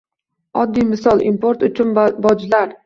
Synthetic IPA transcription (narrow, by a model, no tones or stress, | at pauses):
ɒd̪ːijmɪsɒlˠimpoɾt̪ʊt͡ʃʰʊnbɒd͡ʒlaɾ